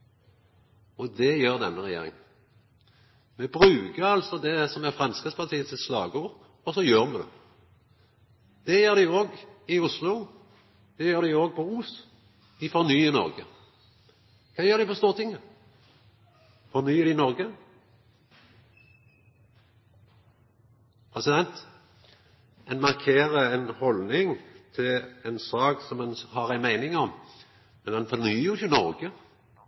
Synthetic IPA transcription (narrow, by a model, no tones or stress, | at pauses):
ɔd̪ɛjøːʁd̪ɛnːəʁɛjḛːɾɪ̰ŋ | mɛbɾʉːkəɾɑlsɔd̪ɛsɔmæfʁɑnskəspʰɑʁt̪ʰiːət̪ʰɪslɑ̰ːɡəuːʋəʁ | ɔsɔjøːʁmɛd̪ɛ̰ | d̪̥ɛjøːʁd̪æɪoːɡɪʊslʊ | d̪̥ɛjøːʁɾd̪æɪoːɡ̚pʰɔus | d̪̥ɪfɔʁnyːənɔ̰ʁɡə | kʰɑːjøːʁɾd̪ɪpɔst̪uːʁət̪ʰɪŋːə | fɔʁnyːəd̪ɪnɔɾɡə | pʰʁɛsɪd̪ɛnt̪ | ɛnmɑʁkʰeːʁəɛnhɔlnɪŋt̪ʰɪlɛnsɑːksɔmɑnhɑʁæɪnmæɪnɪŋɔm | mɛnhɛnfɔʁnyːjʊçʊnɔɾɡə